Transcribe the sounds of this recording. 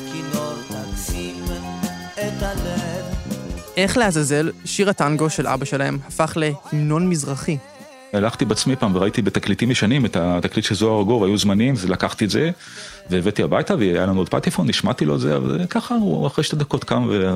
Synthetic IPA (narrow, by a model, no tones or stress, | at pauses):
kilotat͡sim | et̪alevʔe̞χle̞hazaze̞lʃiʁataŋɡo̞ʃe̞lʔa̰baʃe̞lahe̞̰mhafaχle̞hino̞nmizʁaχi | alaχt̪ibeat͡smipaːmveʁait̪ibet̪aklit̪imeʃanimet̪at̪aklit̪ʃezoaʁɡovajuzmanimvelakaχt̪ietze | veːvet̪iabajt̪aveaja̰lanuod̪̚pa̰t̪ifonːiʃmat̪ilo̞ezea̰va̰lkaχauaχʁejʃt̪ed̪ako̞t̪kamve